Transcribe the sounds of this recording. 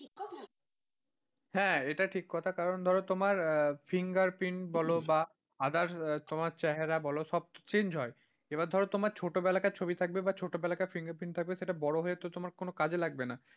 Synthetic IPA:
a | hɛ̃eʈaʈʰikːɔt̪ʰakaɾond̪ʱɔɾot̪omaɾfʰiŋɡaɾpinbɔloba | ad̪aɾt̪omaɾt͡ɕaɦeɾabɔloʃɔb̚t͡ɕend͡ʑʱɦɔe | ebaɾd̪ʱɔɾot̪omaɾt͡ɕʰoʈobɛlakat͡ɕʰobit̪ʰak̚bebat͡ɕʰoʈobɛlakafʰiŋɡaɾpint̪ʰak̚beʃeʈabɔɽoɦoet̪ot̪omaɾkonokad͡ʑelaɡ̚bena

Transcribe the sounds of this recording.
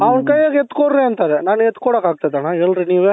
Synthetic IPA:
ɐʋɐɳkɐjːaɡɛt̪ːkoɽɾẽɐnt̪aːɾɛnaːnɛt̪ːkoɽakaːɡ̚t̪ɐd̪enaːɛlɾiniːʋe

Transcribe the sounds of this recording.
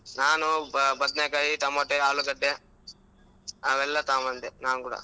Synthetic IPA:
naːnubɐd̪nekajit̪ɐmːoːʈːeaːɭuɡɐɖːe | ɐʋɛlːɐt̪aːmɐnd̪enaːnukuːɽɐ̰

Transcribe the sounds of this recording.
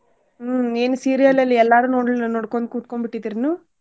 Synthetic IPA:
eːnusiːɾijɐlɐlːiɛlːaːɾunoːɽlnɔɽɐkːond̪kuːt̪̚kombiʈːid̪iɾinu

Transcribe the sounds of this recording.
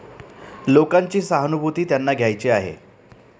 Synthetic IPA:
lokaɲt͡ɕiːsaɦnubʱut̪iːt̪janːaɡʱjajt͡ɕiaɦḛ

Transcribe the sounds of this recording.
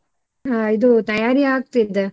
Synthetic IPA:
aːid̪ut̪ɐjaːɾiaːk̚t̪id̪ɯ

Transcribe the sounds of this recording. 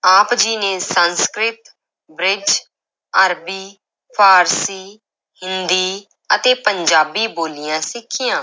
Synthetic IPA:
aːpd͡ʒiːneːsənskɾɪt̪ | bɾɪd͡ʒ | əɾbiː | pʰaːɾsiː | hɪnd̪iː | ət̪eːpəɲd͡ʒaːbiːboːlɪjãːsɪkʰːɪjãː

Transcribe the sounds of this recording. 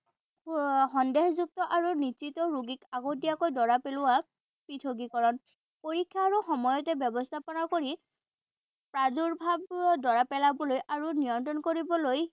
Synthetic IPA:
xɔndeɦzuk̚tɔʔaɹuniitɔɹuɡikaɡotijakojdɔɹapelʊwa | pɹitʰoɡikɔɹɔn | poɹikʰːjaːɹuxɔmɔjɔtɛbjɔbɔstʰapɔnakoɹi | pɹaduɹbʱabdɔɹapɛlabɔlojʔaɹunijɔntɹɔnkoɹibɔloj

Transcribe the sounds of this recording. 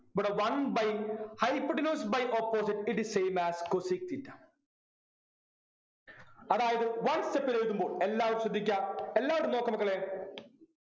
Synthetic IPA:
bɐʈɐʋɐnbɐjhɐjpːɖinuːsbɐjʔopːoːs̬iʈiʈ̚d̪iseːmæːskosik̚t̪itː | ɐðaːjɐðɨʋɐnstepːilejikːumbo̞ːɭelːaːʋɐɾumɕɾɐd̪ʱːikʲːaelːaːʋɐɽumnoːkːɐmɐkːɐɭeː

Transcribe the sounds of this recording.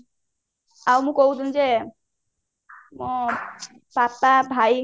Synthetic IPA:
awmũkoɦud̪und͡ʒe | mõ | papabʱaj

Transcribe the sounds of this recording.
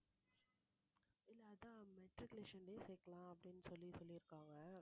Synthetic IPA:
ɪlːɐɐðãːmɛʈɾɪkleʂɐnɖeːseːkːɐɭãːɐpːɐɽɪnːɯsɔlːisɔlːiɪɾɯkːaːŋɡɐ

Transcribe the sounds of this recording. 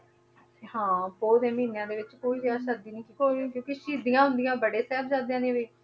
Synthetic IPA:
hãːpoːd̪ẽːmiːnejãːd̪eːʋɪt͡ʃkoːiːd͡ʒeaːʃəd̪iːnĩːkiːkoːnĩːkjõːkiːʃiːd̪ijãːɦʊnd̪ijãːbəɽeːsɛːbd͡ʒãːd̪ẽãːnĩːʋeː

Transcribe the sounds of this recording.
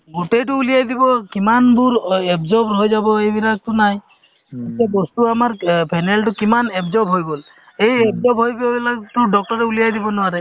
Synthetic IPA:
ɡutejtʊːlijajd̪ibɔkimanbuɹɛbzɔbɦojzabɔejbilak̚tʊnaj | etiabɔstuamaɹpʰajnɛltʊkimanɛbzɔbɦojbol | ejɛbzɔbɦojbbilaktʊdɔk̚tɔɹɛulijajd̪ibɔnʊwaɹɛ

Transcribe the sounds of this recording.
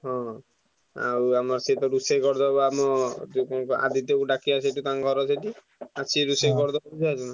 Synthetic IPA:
ɦɔ̃ | a̰wamɔɾset̪ɔɾusekɔɾd̪ɔbɔamɔt̪ukɔkɔʔa̰d̪it̪ekuɖakiasʰeʈut̪aŋɡʱɔɾɔsʰeʈi | at͡ʃʰiɾusekɔɾd̪ɔpɔid͡ʒʰiad͡ʒɔna

